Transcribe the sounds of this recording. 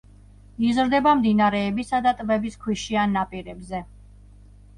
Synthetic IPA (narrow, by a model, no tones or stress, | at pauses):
izɾd̪ɛbamd̪inaɾɛːbisad̪at̪ʼbɛbiskʰwiʃianːapʼiɾɛbzɛ